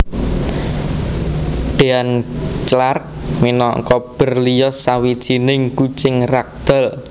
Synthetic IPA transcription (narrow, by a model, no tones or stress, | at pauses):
ɖ̪̥e̤ant͡ʃlark̚minɔkɔb̥ə̤rlijɔsawid̥ʒ̥inɪŋku̥t͡ʃɪŋrak̚d̪̥ɔ̤l